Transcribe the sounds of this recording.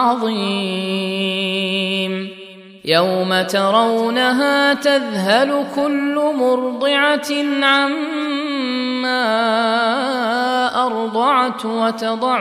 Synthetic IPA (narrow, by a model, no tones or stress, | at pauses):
ɑðˤiː | m | jawmat̪ɑɾˤɑwnaɦaːt̪aðɦalʊkʊlːʊmʊɾd̪ˤɪʕanʕam | aː | ʔɑɾd̪ˤɑʕt̪wat̪ɑd̪ˤɑʕ